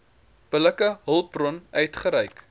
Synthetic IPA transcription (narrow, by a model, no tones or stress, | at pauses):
b̥ələkəɦəlˠbrɔnœɥtχəɾɛjk